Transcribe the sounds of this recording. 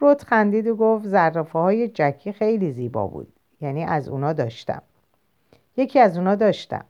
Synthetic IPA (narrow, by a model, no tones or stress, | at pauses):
rot̪xænd̪iːd̪oɡoft̪zærːɒfehɒːje̞d͡ʒækʰːiːxejliːziːbɒ̰bṵːd̪̥ | jæniːʔæzṵːnɒːd̪ɒ̰ːʃt̪æ̰m | je̞cʰiːæzuːnɒːd̪ɒːʃt̪æ̰m